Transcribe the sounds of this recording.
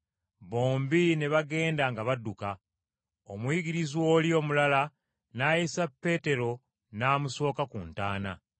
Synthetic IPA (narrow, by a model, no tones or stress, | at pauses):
βo̞ːmbine̞βaɡe̞ːndaŋɡaβadːuka | omwiːɡiɾizwo̞ːlio̞ːmulala | naːjisapːe̞ːte̞ɾo̞ | naːmuso̞ːkakṵntaːna̰